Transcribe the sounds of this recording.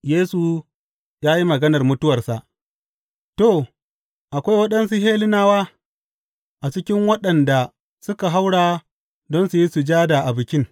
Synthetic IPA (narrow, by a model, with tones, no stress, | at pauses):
jeː˦su˨ | jaː˦ji˦mɐ˨ɡɐ˦nɐ˨rmʊ˦tʊ˦wɐ˨rsa˨ʔ | to˦˨ | ʔa˨kʷa˦jwɐ˦ɗɐ˦nsu˦ɦeː˦lɪ˦naː˦waː˦ | ʔa˨t͡ʃɪ˦kʲɪ˦ŋwɐ˦ɗɐ˨nda˨ | sʊ˦ka˨ɦa˦wɽaː˨ | dɔ˦nsu˨ji˦su˨d͡ʒaː˦da˨ʔa˨bʊ˨kʲɪ˦ŋ